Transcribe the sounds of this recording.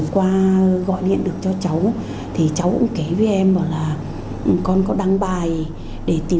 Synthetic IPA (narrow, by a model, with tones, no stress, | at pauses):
kwaː˧ɣɔ̰˧˨jɗḭ˧˨ənɗɨ˨˩ək̚t͡ɕɔ˧t͡ɕa˨˦w | t̪ʰi˨˩t͡ɕa˨˦wkʊ̰˧˥ŋ͡mke˨˦ve˨˦ʔɛ˧mvɔ˧˨˩laː˨˩ | ʔkɔ˧nkɔ˨˦ɗa˧ŋɓaː˨˩j | ɗe˧˩t̪i˨˩